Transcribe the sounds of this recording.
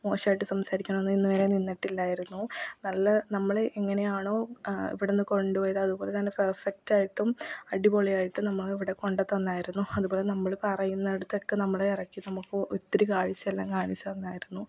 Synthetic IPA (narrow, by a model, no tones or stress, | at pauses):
mo̞ːɕaːjiʈːɨsɐmsaːɾikʲːuɳɐenːinːɨʋeːɾeninːɐʈːilːaːjiɾunːunɐlːɐnɐmːɐɭeʔeŋːɐne̞jaːɳo̞ːḭʋiɽenːɨko̞ɳɖɨpoːjðɐɐðubo̞ːle̞t̪ɐnːe̞perfɐk̚taːjiʈːumɐɽiboɭijaːjiʈːɨmnɐmːɐɭiʋiɽe̞ko̞ɳɖɐt̪ːɐnːaːjiɾunːuɐðuboːle̞nɐmːɐɭpɐrɐjunːɐɽut̪ːokːenɐmːɐɭeirɐkːinɐmukːɨʔut̪ːɐɾikaːɻit͡ɕːɐelːaːŋkaːɳit͡ɕːuɐnːaːjiɾunːu